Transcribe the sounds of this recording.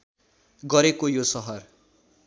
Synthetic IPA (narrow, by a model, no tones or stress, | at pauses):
ɡʌɾekojosʌɦʌr